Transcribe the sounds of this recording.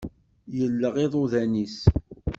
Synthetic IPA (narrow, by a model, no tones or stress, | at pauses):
jəlːəʁiðˤoðænis